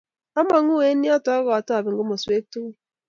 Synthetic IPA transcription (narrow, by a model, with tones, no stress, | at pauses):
a˦ma˨˦ŋu˦e˨˦ni˦a˦tɔ˦a˦ɣɔ˨a˨tɔ˦a˨bɪ˨ŋ˨ɡo˦mo˨se˦tu˦ɣ